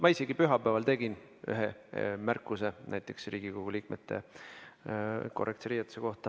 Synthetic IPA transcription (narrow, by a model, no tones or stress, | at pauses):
mʔɑise̞ɡ̥ipyɦɑpæːɑlt̪e̞ɡin | y̰ɦemærkːˑuse̞næjt̪ːˑe̞ksriːɡ̥ikoɡ̥uliːk̚mʔet̪ːe̞̰ | ko̞rʔekt̪seɾiːɑt̪ːˑu̥seko̞ht̪ɑ